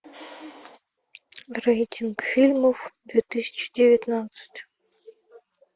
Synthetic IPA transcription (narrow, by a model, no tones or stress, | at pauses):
rejtʲʰinɡfʲilʲmovd̪vʲet̪ɨsʲə̥t͡ɕd̪ʲevʲit̪nat̪sɨ̥tʲ